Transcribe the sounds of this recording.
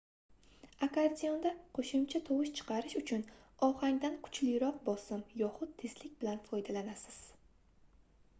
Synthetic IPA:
akʰaɾd̪ijɒnd̪aqʰoʃʊmt͡ʃʰat̪ʰowʊʃt͡ʃʰɨ̥qʰɑɾɪʃʊt͡ʃʰʊnɒhaŋd̪ankʰʊ̥t͡ʃʰlɪjɾɒq̚bɒsɪmjɒχʊt̪ʰːezlɪk̚ʲbɪlanfɒjd̪alanasɪz̥

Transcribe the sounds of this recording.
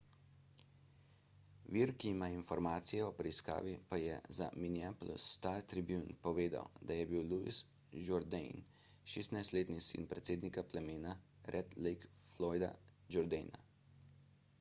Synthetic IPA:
ʋiːɾkiimainfɔɾmaːt̪sijɛɔpɾɛiska̰ːʋipajɛza̰miniaːpl̰st̪aɾt̪ɾibjunpɔʋeːd̪a̰wd̪ajɛbiwluḭs | d͡ʒɔɾd̪ɛ̰jn | ʃeːst̪najst̪leːt̪nisḭnpɾɛt̪seːd̪nikaplɛmeːna | ɾʔɛd̪lɛjk | flɔːjd̪a̰d͡ʒɔɾd̪ɛjna̰

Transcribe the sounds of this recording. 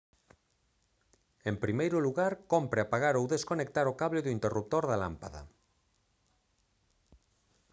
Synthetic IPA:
empɾimejɾuluɣaɾkompɾeapaɣaɾowðeskonek̚t̪aɾokaβleðuint̪erup̚t̪oɾðala̰mpaða̰

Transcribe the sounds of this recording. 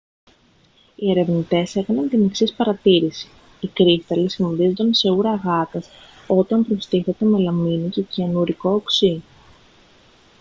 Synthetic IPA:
ie̞ɾe̞vnit̪e̞se̞kɐnɐnt̪iniksispɐɾɐt̪iɾisi̥ː | kɾist̪ɐlisimoðizod̪ɐnse̞uɾɐɣɐt̪ɐs | o̞t̪ɐmpɾost̪iθe̞t̪e̞me̞lɐminit̪ociɐnuɾiko̞ːksi

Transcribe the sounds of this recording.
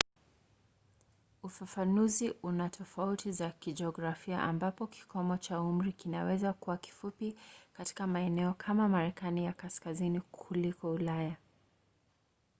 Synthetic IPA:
ufafanuziʔunatʰɔfautizakid͡ʒɛɔɡɾafia̰ʔambapɔki̥kʰɔmɔt͡ʃaum̩ɾikinawɛzakuwaki̥fupikati̥kamaɛnɛɔkʰamamaɾɛkanijakaskazinikʰulikɔulaja

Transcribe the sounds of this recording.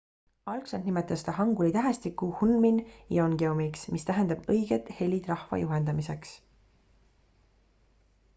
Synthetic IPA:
ɑlksɑnd̪nimet̪ːˑɑst̪ɑɦɑŋɡulit̪æɦest̪ikːˑuhunminjoŋɡ̥eomiksmist̪æɦe̞nd̪ɑb̥ɤjɡ̥et̪ˑhe̞lʲid̪̥rɑhvɑ̰juɦend̪ɑmise̞ks

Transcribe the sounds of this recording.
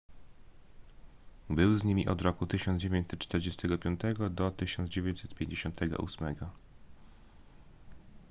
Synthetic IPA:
bɘwzɲimʲiʔɔd̪ɾɔkut̪ɘɕɔnd͡ʑevʲẽɲt͡ɕ̪sɛt̪ːt͡ʂt̪ɛɾd͡ʑɛst̪ɛɡɔpʲjɔnt̪ɛɡɔd̪ɔt̪ɘɕɔnd̪zd͡ʑevʲeɲt͡ɕʲsɛt̪pʲjeɲd͡ʑeɕɔnt̪ʰɛɡɔ̰ʔṵsmɛɡɔ

